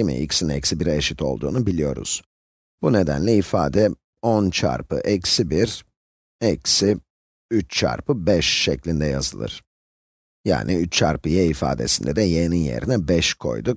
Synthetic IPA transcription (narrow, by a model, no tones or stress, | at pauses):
imḭḭcsinɛcsibiɾɛeʃit̪ʰo̞lˠd̪uːnubilʲijo̞ɾṵz̥ | b̥une̞d̪ænlʲɛifaːd̪ɛ | ont͡ʃʰa̰ɾpʰɯ̰ʔɛcsibiɾ | ɛcsi | yt͡ʃt͡ʃʰa̰ɾpɯbɛʃːɛclʲind̪ɛja̰zɯlˠɯ̰ɾ̥ | ja̰ːnʔiyt͡ʃt͡ʃʰa̰ɾpɯjaifa̰ːd̪e̞̰sind̪ɛd̪ɛjeninje̞̰ɾinɛbɛʃkʰo̞̰jd̪uk